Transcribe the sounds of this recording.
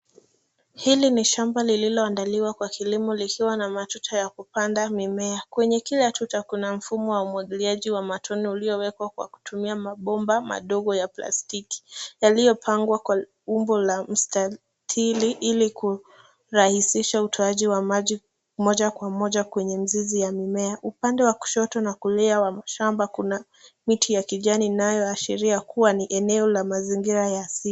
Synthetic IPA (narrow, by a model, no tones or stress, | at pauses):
hiliniʃambalililɔandaliwakwakilimulikʰiwanamatutʰɔjakupandamimɛakwɛɲɛkilatʰutakunam̩fumɔwaumwaɠiliaʄiwamatʰɔniuliɔwɛkwakwa̰ku̥tumiamaɓɔmbama̰ɗɔɠɔjapla̰stiki̥jalijɔpʰaŋɡwakwa | ɓumbɔlam̩sta | tʰiliʔiliku | ɾahisiʃautʰɔaʄiwamaʄi | mɔʄakwamɔʄakwɛɲɛm̩zizijamimɛaʔupandɛwaku̥ʃɔtɔnakulɛawamaʃambakuna | mitʰijakiʄaninajɔaʃɛɾiakʰuwaniʔɛnɛɔlamaziŋɡiɾajasi